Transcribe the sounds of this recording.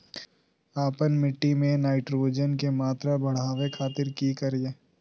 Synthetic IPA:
aːpənmɪʈːimẽnaːɪʈɾoːd͡ʒənkemaːt̪ɾabʱɐɽ̤aːʋekʰaːt̪ɪɾkikɐɾeː

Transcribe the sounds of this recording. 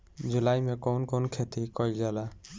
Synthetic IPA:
d͡ʒulajmɛkɔwnkonkʰet̪ikɔjld͡ʒala

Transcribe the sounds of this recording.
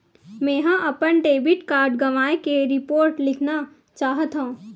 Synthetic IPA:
mɛ̃ːɦãʔɐpənɖeːbɪʈkaːɾɖɡɐʋaːekeɾɪpoːɾʈlɪkʰna | t͡ʃaːɦət̪ɦõː

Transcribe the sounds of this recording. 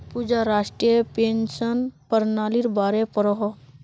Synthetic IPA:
pud͡ʒaɾaːʂʈɾiəpeːnsənpəɾnaːliɾbaːɾepəɾɔɦɔ

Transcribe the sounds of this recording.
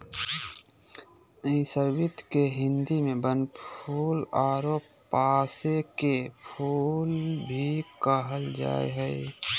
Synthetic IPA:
isəɾbɪt̪keɦɪ̃nd̪imẽbənʰuːlaːɾoːp | paːsekepʰuːlbʱikəɦəld͡ʒa̰ːḛɦɛe

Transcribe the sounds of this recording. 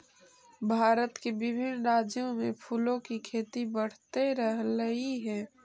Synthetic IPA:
bʱaːɾət̪kebɪbʱɪnɾaːd͡ʒjõmẽpʰuːlõkikʰeːt̪ibəɽ̤t̪eɾəɦləɦiɦɛ̃ː

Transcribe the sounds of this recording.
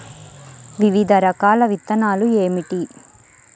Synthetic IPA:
ʋiʋid̪ʱɐɾɐkaːlɐʋit̪ːɐnaːlueːmiʈi

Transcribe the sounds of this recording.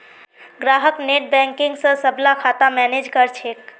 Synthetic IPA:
ɡɾaɦəkneʈ̚bɛ̃ŋkiŋɡsə̃səblakʰat̪amɛned͡ʒkəɾt͡ʃʰek

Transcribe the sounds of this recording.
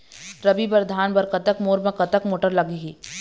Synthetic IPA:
ɾɐbibɐɾd̪ʱaːnbɐɾkɐt̪əkmoːɾmẽkɐt̪əkmoːʈəɾlɐɡiɦiː

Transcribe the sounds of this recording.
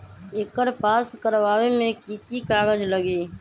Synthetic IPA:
eːkəɾpaːskəɾʋaːʋemẽkiːk̪ikaːɣəd͡ʒləɡeː

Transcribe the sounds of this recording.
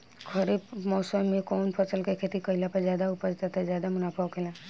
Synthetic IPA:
kʰəɾepmɔːsəmẽkoːnpʰət͡ʃəlkekʰeːt̪ikəɪlapɐɾzjaːd̪aʊpəd͡ʒt̪at̪ʰazjaːd̪amʊnaːpʰəʋkʰela

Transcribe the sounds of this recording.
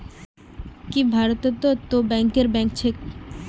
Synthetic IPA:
kibʱaɾot̪et̪ːot̪obɛŋkeɾbɛŋk̚t͡ɕʰek̚

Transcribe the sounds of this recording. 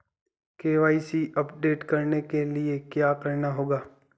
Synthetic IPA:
keːʋaːisiɐpɖeːʈkɐɾnekeliekjaːkɐɾnaɦoːɡaː

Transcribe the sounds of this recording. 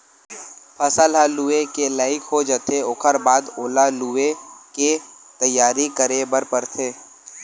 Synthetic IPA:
pʰəsəlɦaluːekelaːɪkɦod͡ʒət̪ʰeoːkʰəɾbaːd̪oːlalueket̪əjːaːɾikəɾebəɾpəɾt̪ʰeː

